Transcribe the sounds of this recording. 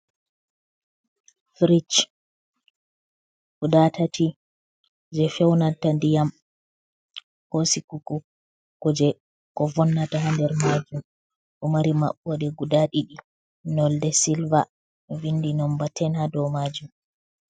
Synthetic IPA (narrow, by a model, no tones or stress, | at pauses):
fɾit͡ʃ | kudatati | d͡ʒɛfɛwnatandijam | hosikuku | kɔd͡ʒɛ | kɔvɔnːataɦandɛɾmad͡ʒum | ʔɔmaɾima̰ɓːɔɗɛɡudaɗiɗi | nɔldɛsilva | vindinɔmbatɛnhadɔmad͡ʒum